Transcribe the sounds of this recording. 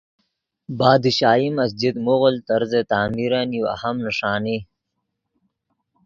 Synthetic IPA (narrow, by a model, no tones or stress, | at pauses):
baːd̪iɕaːimɐs̬d͡ʑid̪moɣəlt̪ɐɾzet̪aːmiɾaniwa̰hɐmnɐʂaːni